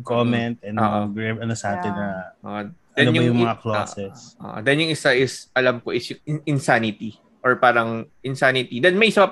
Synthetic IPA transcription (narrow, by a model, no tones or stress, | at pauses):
komɛnt̪̚ɛnoːʔʔɡɹebɐnɐsaːt̪ɪnɐo̰ʔod̪ɛnjʊjʊŋmɐŋɐkloːsɛsʔo̰ʔod̪ɐnjʊŋɪsaʔɪsʔɐlɐmkoʔɪsjʊŋɪʔɪnsanɪt̪i | ʔoɹpaːɾɐŋʔɪnsaːnɪt̪id̪ɐnmɐjʔɪsapɐ